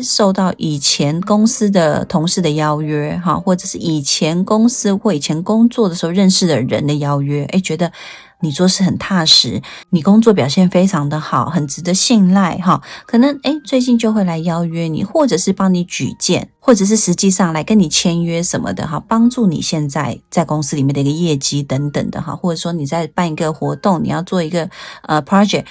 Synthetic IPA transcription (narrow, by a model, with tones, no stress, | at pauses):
ʂo˥˧ʊt̪ɑ˥˩ʊʔi˨˩t͡ɕʰjɛ˧˦˥nkʊ˥ŋs̩˥d̪ə˨t̪ʰʊ˧˥ŋʂɻ̩˥˩d̪ə˩jɑ˥ʊɥɛ˥ɦɑ̰˥˧xwɔ˥˩ʈ͡ʂɤ˨˩ʂɻ̩˥˩˨i˨˩t͡ɕʰjɛ˧˥nkʊ˥ŋs̩˥xwɔ˥˩i˨˩t͡ɕʰjɛ˧˥nkʊ˥ŋt͡swɔ˥˩d̪ə˩ʂ̩˧˥xo˥˧ɻə˥˧nʂɻ̩˥˩d̪ə˩ɻə̰˧˦nd̪ə˨jɑ˥ʊɥɛ˥ʔḛ˥˩ɪt͡ɕɥɛ˧˥d̪ə˧ | ni˨˩t͡swɔ˥˧ʂɻ̩˥˩xə˨˩nt̪ʰa˥˩ʂɻ̩˧˥˦ni˨˩kʊ˥ŋt͡swɔ˥˩p̬jɑ˨˩ʊɕjɛ˥˩nfe˥ɪʈ͡ʂʰɑ˧˥ŋd̪ə˧xɑ˨˩ʊxə˨˩nt͡sɻ̩˧˥d̪ə˧˦ɕi˥˧nla˥˧ɪɦɑ˥˩kʰɤ˨˩nə˧˦ŋe˥ɪt͡swe˥˧ɪt͡ɕi˥˧nt͡ɕjo˥˧ʊxwe˥˩ɪla˧˥ɪjɑ˥ʊɥɛ˥nḭ˨˩xwɔ˥˩ʈ͡ʂɤ˨˩ʂɻ̩˥˧pɑ˥ŋni˧˥t͡ɕy̰˨˩t͡ɕjɛ̰˥˨nxwɔ˥˩ʈ͡ʂɤ˨˩ʂ̬ɻ̩˥˩ʂɻ̩˧˥t͡ɕi˥˧ʂɑ˥˩ŋla˧˥ɪkə˦˥ni˨˩t͡ɕʰjɛ˥nɥɛ˥ʂə˨˩nmə̰˨˩d̪ə̰˨xɑ˥˩pɑ˥ŋʈ͡ʂu˥˩nḭ˨˩ɕjɛ˥˧nt͡sa˥˧ɪt͡sa˥˩ɪkʊ˥ŋsɨ˥li˨˩jɛ˥˩nd̪i˧ɡə˧jɛ˥˩t͡ɕi˥t̪ə˧˥ŋt̪ə̰˨˩ŋd̪ə̰˩xɑ̰˥˩xwɔ˥˩ʈ͡ʂɤ˨˩ʂwɔ˥ni˨˩t͡sa˥˧ɪpa˥˩ni˧˥ɡə˧xwɔ˧˥t̪ʊ˥˩ŋnḭ˨jɑ˥˧ʊt͡swɔ˥˩i˧˥ɡə˧ə˧˩pʰɹɑ˥d͡ʒɛ˨˩k̚